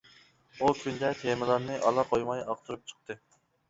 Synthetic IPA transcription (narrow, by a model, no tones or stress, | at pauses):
ukʲʰynd̪ɛt̪ʰemɪlˠɑɾnɨʔɑlˠɑqʰojmɑjɑq̚t̪ʰuɾup̚t͡ʃʰə̥q̚t̪ʰɨ